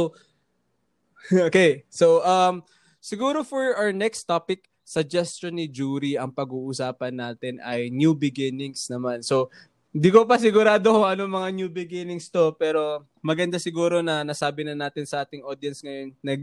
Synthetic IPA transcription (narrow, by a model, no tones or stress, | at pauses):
ʔoːkejsowʔɐm | sɪɡuːɾofɔɹʔawəɹnɛkst̪ːapɪk̚ | sɐd͡ʒɛst͡ʃonːɪd͡ʒuːɾiʔɐŋpɐɡuːʔʊsaːpɐnːaːt̪ɪnʔɐjnjubɪɡɪnɪŋsnɐmanso̞ | nd̪iːkop̬ɐs̬ɪɡʊɾaːd̪okoŋɐnoŋmɐŋanjubɪɡɪnɪŋst̪o̞pɛːɾo̞ | mɐɡɐnd̪asɪɡuːɾo̞nɐnɐsaːbɪnɐnaːt̪ɪnsɐʔaːt̪ɪŋoːd̪jɐnsŋɐjonːɐɡ